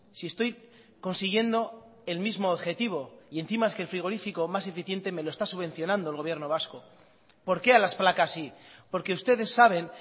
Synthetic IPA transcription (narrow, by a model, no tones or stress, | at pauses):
sie̞st̪o̞j | ko̞nsiɣ̞je̞nd̪o̞ | e̞lmizmoːðxe̞t̪iβ̞o̞ie̞nθimaeskelfɾiɣ̞o̞ɾifiko̞mase̞fiθje̞nt̪e̞me̞lo̞e̞st̪asuβe̞n̟θjo̞nãnd̪olɣoβje̞ɾno̞βasko̞ | po̞ɾke̞alasplakasipo̞ɾkeust̪eðe̞sːaβ̞e̞n